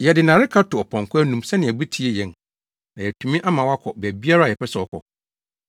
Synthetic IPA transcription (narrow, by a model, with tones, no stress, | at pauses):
jɛ˨dɪ˨nã˨ɾɪ˦kʰa˦tʰʊ˨ɔ˨pʰɔ̃˨ŋ˨kʰʊ˦æ˦nũ˨msɛ˦nɪ̃˨ɛ˨bɛ˦tʰi˦e˨jɛ̃˨n | nã˨jɛ˨tʰũ˨mĩ˦ʔa˦mã˨wa˦kʰɔ˨bæ˨bi˦a˦ɾa˦˨ɛ˨pɛ˦sɛ˨ɔ˦˨kʰɔ̰˨